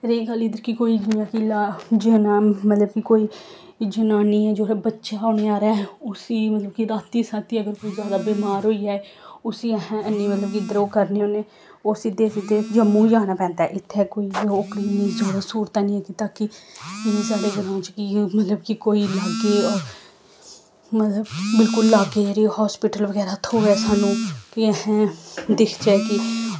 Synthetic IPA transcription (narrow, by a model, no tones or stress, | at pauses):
ɾeːɡəlɪd̪əɾkikoːiːd͡ʒɪjaːkilad͡ʒeːnaːmət̪ləb̚kɪkoːiː | d͡ʒənaːnĩːɛːd͡ʒoːɾɛːbətːʃaːaːneːaːɾɛːʊsiːmət̪ləb̚kiɾaːt̪ːiːsaːt̪iːəɡəɾkoːiːzjaːd̪aːbeːmaːɾɦoːiːaːɛː | ʊsiːəɦɛ̃ənːĩːmət̪ləb̚kiɪd̪əɾoːkəɾneːoːneː | oːsiːd̪eːsd̪eːd͡ʒəmũːd͡ʒãːnaːpɛ̃ːnd̪aɛːʔɪt̪ʰːɛːkoːiːokɽiːzoːɽaːsuːɾt̪aːnĩːɛːkit̪aːkɪɪnẽːsaːɖeːɡəlãːt͡ʃkimət̪ləbkɪkoːiːlaɡeːɔːɾ | mət̪ləbbɪlkʊlːaːɡeːɾiːhɔːspɪʈəlʋəɡɛːɾaːt̪ʰoːʋɛːsaːnũːkɪəhɛ̃ːd̪ɪkʰd͡ʒɛːkɪ